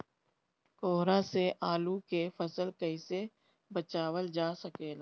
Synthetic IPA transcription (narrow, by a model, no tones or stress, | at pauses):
koːɦɾãseʔaːlukefɐsəlkɐise | bət͡ʃaːwəld͡ʒaːsəkeːla